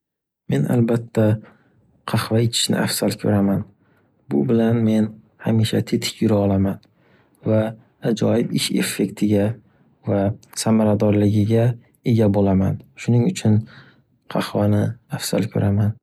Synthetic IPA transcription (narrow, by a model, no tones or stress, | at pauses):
me̞na̰lbat̪ʰːa | qʰɑhvaet͡ʃ̪ʰɪ̥ʃnɪ̰ʔafsalkʲʰɵɾaman | bʊbɪlanme̞n | hamiʃat̪ʰe̞t̪ʰɪ̥kʰʲjʊɾaɒlaman | vaː | d͡ʒɒjɪbɪʃe̞̰fːe̞kʲt̪ʰɪɡʲa | vasamaɾad̪ɒɾlɪɡʲɪɡʲa | e̞ɡʲabolamanʃʊnɪŋʊt͡ʃʰʊn | qʰɑχvanɪafsa̰lkʲʰɵ̰ɾaman